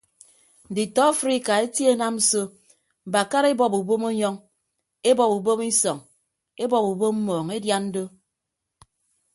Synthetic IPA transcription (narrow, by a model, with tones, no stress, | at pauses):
n̩˨di˨tɔ˦fɾi˦ka˨e˦tje˦na˦mn̩˦so˦ | m̩˨ba˨ka˦ɾe˦bɔ˨pu˨bo˦mo˦ɲɔ˦ŋ | e˦bɔ˨pu˨bo˦mi˦sɔ˨ŋ | e˦bɔ˨pu˨bo˦m̩˦mɔː˨ŋe˦dja˦nn̩˦do˦